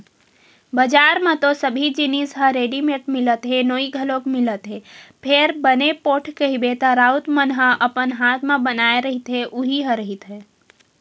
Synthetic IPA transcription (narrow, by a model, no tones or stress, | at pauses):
bəd͡ʒaːɾmẽt̪osəbʱid͡ʒinisɦə̃ɾeːɖimeʈmɪlət̪ɦenoːiɡʱəlõkmɪlət̪ɦɛːpʰeɾbənepoːʈʰkəɦibet̪aɾaːʊt̪mənɦə̃ʔəpənɦaːt̪ʰmẽbənaːeɾəɦit̪ɦeʔʊɦiɦə̃ɾəɦit̪ɦɛː